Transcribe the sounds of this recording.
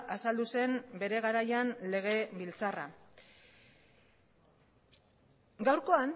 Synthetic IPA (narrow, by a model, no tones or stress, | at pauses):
asald̪use̞mbe̞ɾe̞ɣaɾajanle̞ɣ̞e̞bilt͡sara | ɡawɾko̞an